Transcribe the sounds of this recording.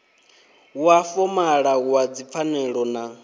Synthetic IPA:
uafɔmaɺaɣuad͡zip̪fʰanɛɺɔna

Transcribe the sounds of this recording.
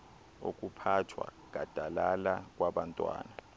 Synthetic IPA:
ok̬ʼupʰatʰwa̰ɡ̥ʱad̥ʱalalak̬ʼwaɓantʼwa̰ːna

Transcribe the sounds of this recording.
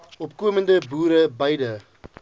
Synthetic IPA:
ɔpkuəməndəbuːɾəbɐjdə

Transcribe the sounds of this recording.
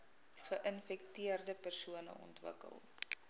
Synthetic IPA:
χəʔənfɛktiərdəpərsuənə̰ɔ̰ntvə̰kə̰lˠ

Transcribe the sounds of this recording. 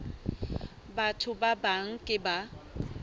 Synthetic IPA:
batʰʊbabaŋ̩kʼɪba

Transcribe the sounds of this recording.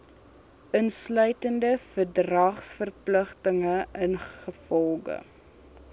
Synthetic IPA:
ʔənslœɥtəndəfərdrɐχsfərpləχtəŋəənχəfɔlˠɡə̰

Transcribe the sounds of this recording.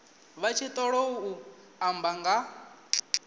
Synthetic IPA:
βat͡ʃʰit̪ʼɔɺɔuu | ambaŋɡa

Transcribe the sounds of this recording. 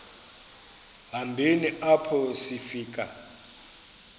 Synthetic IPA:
ɦambʱiniʔapʰɔsifiːk̬ʼa

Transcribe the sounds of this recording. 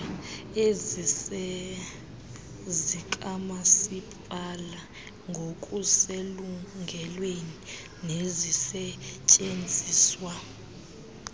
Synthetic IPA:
ezisɛ | zikʼamasipʼala | ŋɡʱokʼuseluŋʱɛlweni | nezisɛt͡ʃʼend͡zʱiːswa

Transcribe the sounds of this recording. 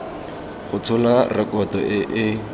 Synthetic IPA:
χʊt͡sʰʊlarɪkɔtɔʔɪʔɪ

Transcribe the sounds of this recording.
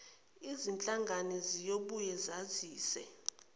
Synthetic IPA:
izint͡ɬʼaŋɡʱanɛzijoɓujɛzaziːsɛ̰

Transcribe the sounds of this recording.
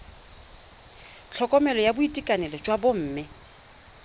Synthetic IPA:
t͡ɬʰɔkʼɔmɛlɔjabʊitʼikʼanɛlɔt͡ʃʼwabom̩ːmɪ

